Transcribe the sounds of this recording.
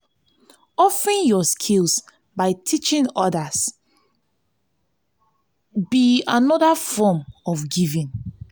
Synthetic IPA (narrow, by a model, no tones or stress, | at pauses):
ɔfɹĩnjɔskʰilˠs | baɪtʰit͡ʃĩnɔdas | bianɔdafɔmɔfɡivĩn